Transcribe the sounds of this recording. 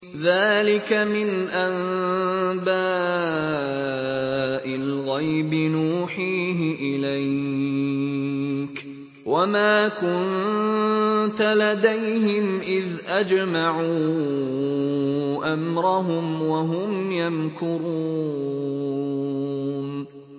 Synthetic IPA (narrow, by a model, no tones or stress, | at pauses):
ðaːlɪkamɪnʔan | baː | ʔɪlɣajbɪnuːħiːɦɪʔɪlaj | k | wamaːkʊn | t̪alad̪ajhɪmʔɪðʔad͡ʒmaʕu | ʔamɾɑɦʊmwaɦʊmjankʊɾuː | n